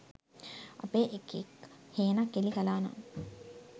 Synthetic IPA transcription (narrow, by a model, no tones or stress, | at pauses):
a̰peːʔekikheːnakːelikalaːna̰n